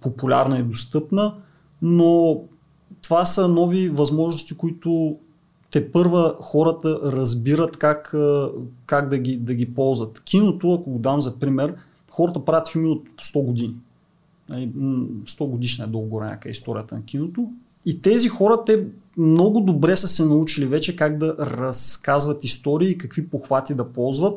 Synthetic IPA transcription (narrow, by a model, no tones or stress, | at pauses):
populʲa̰ɾnɐɛd̪ost̪ɤpnə | no | t̪ovasənɔvivɐzmɔʒnʊst̪ikoit̪ʊ | t̪ɛpɤɾvəxɔɾət̪əɾɐzbiɾət̪kakəkaɡd̪ɐɡʲid̪ɐɡʲipɔlˠzvət̪kʰʲinot̪ʊɐkoɡod̪amzɐpɾimɛɾ | xɔɾət̪əpɾavʲət̪filˠmiot̪st̪ɔɡod̪ini | nɐlist̪ɔɡod̪iʃnɐɛd̪olˠɡɡoɾɛ̰nʲa̰kəɛ̰ist̪ɔɾḭət̪ə̰nɐkʲinot̪o | it̪ɛzixɔɾət̪ɛmnɔɡʊd̪obɾɛsəsɛnɐut͡ʃilivɛt͡ʃɛkaɡd̪ɐɾɐskazvɐt̪ist̪ɔɾiːkɐkvipoxvat̪id̪ɐpɔlˠzvət̪̚